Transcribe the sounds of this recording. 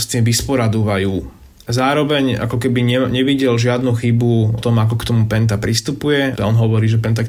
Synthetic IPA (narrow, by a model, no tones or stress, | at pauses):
st̪iːmʋispɔɾad̪uʋajuː | azaːɾɔʋɛɲa̰kɔkɛbiɲɛɲɛʋiɟɛlʒɪad̪nuxibuɔt̪ɔmakɔkt̪ɔmupɛnt̪̬apɾist̪upujɛɔnɦɔʋɔɾiːʒɛpɛnt̪̬ak